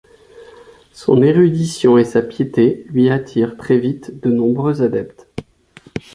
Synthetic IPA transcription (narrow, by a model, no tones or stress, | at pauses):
sɔ̰̃neʁyd̪isjɔ̃esapjet̪elɥiat̪ʰiʁt̪χɛvit̪d̪ənɔ̃bʁøzad̪ɛpt̪